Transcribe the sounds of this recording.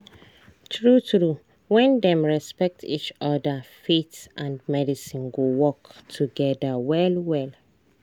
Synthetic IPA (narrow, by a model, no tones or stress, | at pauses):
tʰɹutɹu | wɛ̃ndɛ̃mɹɛspɛk̚tḭt͡ʃɔdafetʔãndmɛdisĩnɡowɔktʰuɡɛdawɛlwɛl